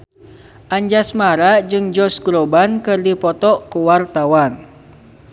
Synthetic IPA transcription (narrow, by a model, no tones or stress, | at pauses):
ʔaɲd͡ʒasmaɾad͡ʒɨŋd͡ʒɔsɡɾobankɨrdipɔt̪ɔʔkuwart̪awan